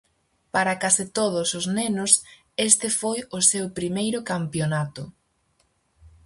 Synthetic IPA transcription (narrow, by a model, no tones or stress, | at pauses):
paɾakasit̪oð̞ʊsʊznenʊs | est̪ɪfojʊsewpɾimejɾʊkampjonat̪ʊ